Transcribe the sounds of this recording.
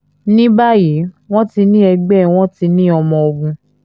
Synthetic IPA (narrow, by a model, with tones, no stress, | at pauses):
nĩ˦ba˦ji˨˦ | w̃ɔ̃˦ti˧nĩ˦ɛ˧ɡ͡bɛ˦˨w̃ɔ̃˦ti˧˦nĩ˦ɔ˧mɔ̃˧o˧ɡũ˧